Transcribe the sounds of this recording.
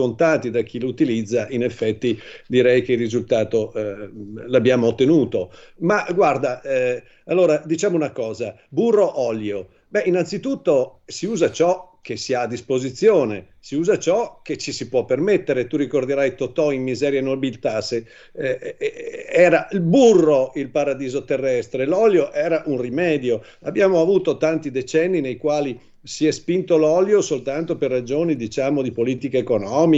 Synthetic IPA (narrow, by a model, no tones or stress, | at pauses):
ont̪aːt̪id̪ak̟ilut̪ilid̪zːaʔinefːɛt̪ːid̪iɾɛjk̟eirːizult̪aːt̪o | labjaːmoːt̪ːenuːt̪omaɡward̪a | alːoːɾad̪it͡ʃaːmounakɔːza | burːoʔɔljo | bɛʔinant̪sit̪ut̪ːosiuːzat͡ʃɔk̟esːiaːd̪ːispozit̪sːjoːne | siuːzat͡ʃɔk̟et͡ʃːisipwɔpːermet̪ːeɾet̪urikord̪eɾajt̪ot̪ɔimmizɛːɾjanobilt̪ase | ɛːɾailburːoilpaɾad̪iːzot̪erːɛst̪ɾelɔljoʔɛːɾaʔunrimɛːd̪jo | abːjaːmoavuːt̪ot̪ant̪id̪et͡ʃɛnːinejkwaːli | siɛspint̪olɔljosolt̪ant̪operːad͡ʒoːnid̪it͡ʃaːmod̪ipoliːt̪ikeekonɔmi